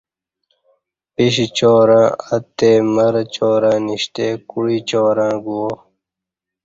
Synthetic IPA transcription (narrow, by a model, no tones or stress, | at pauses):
piɕit͡ɕoːɾãːɐt̪ːeːmɐɾt͡ɕoːɾãːniɕt̪eːkuɽiːt͡ɕoːɾãːɡuoː